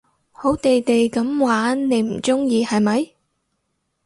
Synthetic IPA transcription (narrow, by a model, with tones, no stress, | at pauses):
ho˨˥wt̪e˨jt̪e˨jkɐ˨˥mwaː˨˥nne˨˧jm̩˨˩t͡sʊ˥ŋjiː˨˧hɐ˨jmɐ˨˥j